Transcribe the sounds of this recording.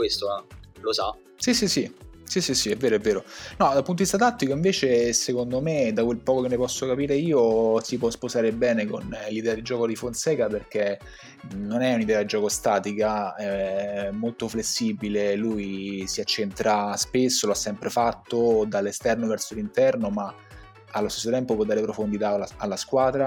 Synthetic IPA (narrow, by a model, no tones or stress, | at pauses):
kwest̪oɛlosa | sisisisisisiɛvːeːɾoɛvːeːɾonɔd̪alpunodvist̪at̪at̪ːikoiɱveːt͡ʃesekond̪omed̪akwelpɔːkokenːepɔsːokapiːɾeiːosipwɔspozaːɾebɛːnekonlid̪ɛːad̪id͡ʒɔːkod̪ifonsɛːkaperk̟e | nonɛunid̪ɛːad̪id͡ʒːɔːkost̪aːt̪ikaɛmːolt̪oflesːiːbilelujsiat͡ʃːent̪ɾaspesːoloasːɛmpɾefat̪ːod̪alːest̪ɛrnovɛrsolint̪ɛrnoma | alːost̪esːot̪ɛmpopwɔd̪ːaːɾepɾofond̪it̪aalːaskwaːd̪ɾa